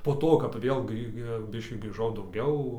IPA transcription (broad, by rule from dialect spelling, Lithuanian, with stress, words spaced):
poː ˈtoː kɐp ˈʋʲeːlˠ ˈɡrʲiː ˈbʲɪʃʲkʲiː ɡrʲiːˈʒɐʊ dɐʊˈɡʲɛʊ